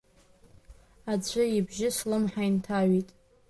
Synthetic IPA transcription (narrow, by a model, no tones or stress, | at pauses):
ad͡zʷʰʼɨibʒɪslɨmħaintʰaɥitʼ